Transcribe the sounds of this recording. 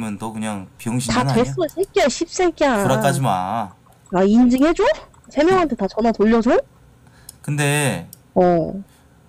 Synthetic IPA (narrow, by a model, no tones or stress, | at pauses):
mjʌntʌkɯɲaŋpjoŋɕʰitatwes͈ʌɕʰik͈jaɕʰip̚s͈ek͈aɯɾʌk͈ad͡ʑima̰ | aind͡ʑiŋhe̞d͡ʑo | sʰe̞mjʌŋɦantʰe̞tat͡ɕʌnatoʎːʌd͡ʑo | kɯnde̞ | ʌ